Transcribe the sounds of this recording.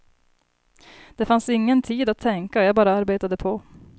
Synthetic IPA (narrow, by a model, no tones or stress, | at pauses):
d̪̥ɛfansɪŋːənt̪ʰiːd̪at̪ʰːɛŋkaɔjɑːɡbɑːɾaaɾbeːt̪ad̪əpʰɔ